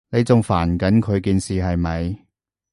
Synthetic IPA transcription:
ne˨˧jt͡sʊ˨ŋfaː˨˩nkɐ˨˥nkʰɵ˨˧ɥkiː˨nsiː˨ɦɐ˨jmɐ˨˧j

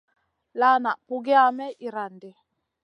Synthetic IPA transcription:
la˦na˨pu˨ɡi˦a˦mɛ˦ʔi˨ɾa˨ndɪ˨˦

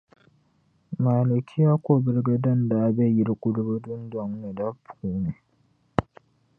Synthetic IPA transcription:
maː˨lo˨kʲʰɪ˦ja˦kʷo˨bɪ˦ɾɡɐ˦dɐ˦nda˨˦be˦˨jɪ˦ɾkʷʼʊ˦ɽbo˦dʊ˦ndɔ˨ŋne˨da˦puː˨ne˨

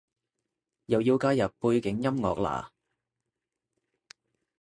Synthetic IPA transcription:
jɐ˨˩wjiː˧wkaː˥jɐ˨ppːuː˧jkɪ˨˥ŋjɐ˥mŋɔ̰ː˨k̚la̰ː˨˩

